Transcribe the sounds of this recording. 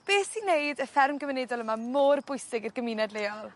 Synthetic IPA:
b̥eːsinejdəfɛrmɡəvənɛdɔlˠəmamoːrbʊɨsɪɡərɡəminɛdleːɔlˠ

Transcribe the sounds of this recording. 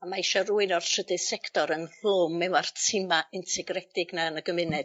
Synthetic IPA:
amaiʃɔruːɨnɔrsədɨðsɛktɔɾənɬomːɛmartʰɪmaʔɪntʰɛɡrɛdɪɡnaənəɡəmɪnɛd

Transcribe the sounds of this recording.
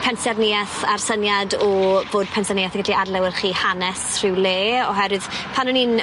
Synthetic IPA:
pʰɛnsɛrnɪaθarsənjadɔvoːd̚pʰɛnsənɪaθəɡədiadlˠɛwɪrχiːhanɛsr̥ɪwleːɔɦɛɾwɨð̥pʰanʊnin

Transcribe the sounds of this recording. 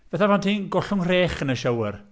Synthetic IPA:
vɛθavantʰinɡɔɬʊŋr̥eːχənəʃəwər

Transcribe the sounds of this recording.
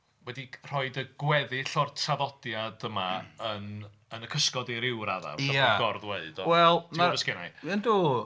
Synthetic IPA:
wɛdir̥ɔɨdəɡ̥wɛðɪɬɔrtʰaðɔd̥jadəmaən | ənəkʰəskɔdɪɾɪwɾaða̰vaaɡɔrðweɨd̥ɔwɛlˠtʰaəskɪna̰jənduː

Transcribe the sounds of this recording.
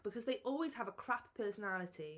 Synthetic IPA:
b̥ɪkʰɒzðeɪʔɔːlˠwɪz̥əvəkʰɹ̥appʰɜˑsənalɪtʰi

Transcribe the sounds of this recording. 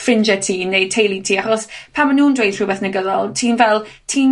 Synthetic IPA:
frɪnd͡ʒɛtʰiːnːej̚tʰejlˠitʰiːaχɔspʰaːmanuːndwejd̥ʰr̥ubɛθnəɡəðɔlˠtʰiːnvɛlˠtʰiːn

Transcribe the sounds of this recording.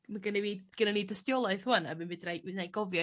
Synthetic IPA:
maɡənɛviːdɡ̥ənaniːdəstjɔlˠaɨθhuana̰bɨnbɨdrajnajɡɔvjɔ

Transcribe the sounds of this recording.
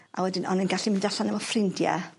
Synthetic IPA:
a̰wɛdɪnɔnənɡaɬimɪndaɬanəmɔfrɪndjɛ̰

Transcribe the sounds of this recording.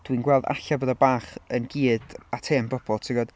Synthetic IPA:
d̥winɡwɛlˠda̰ɬabɔðabaːχənɡiːdatʰeːmbrɔbʰɔtʰɪɡɔd̥

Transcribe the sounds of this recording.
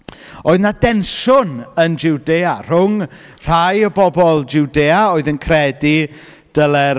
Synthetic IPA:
oːɨðnadɛnʃʊnənd͡ʒɪwdeːar̥ʊŋ | r̥ajəbɔbɔlˠd͡ʒuwdeːaoɨðənkʰrɛdi | d̥əlˠɛ

